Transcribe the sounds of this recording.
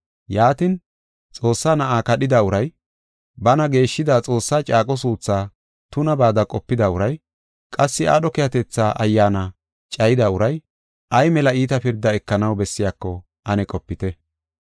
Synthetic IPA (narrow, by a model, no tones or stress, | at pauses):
jaːt̪ɪn | t͡sʼo̞ːsːaːnɐʔaːkɐɗɪd̪aʊɾɐj | bɐnɐɡe̞ːʃːɪd̪aːt͡sʼo̞ːsːaːt͡ʃʼaːkʼɔs̬uːt͡sːaː | t̪ʊnɐbaːd̪ɐkʼɔpːɪd̪ɐʊɾɐj | kʼɐsːɪa̰ːɗɔkɛjɐt̪ɛt͡sːaːʔɐjːaːnɐ | t͡ʃʼɐjɪd̪ɐʊɾɐj | ʔɐjmɛlɐiːt̪ɐpɪɾd̪ːɐɛkːɐnɐwbɛsːɪjaːkːɔ | ʔɐnɛkʼɔpːɪt̪ɛ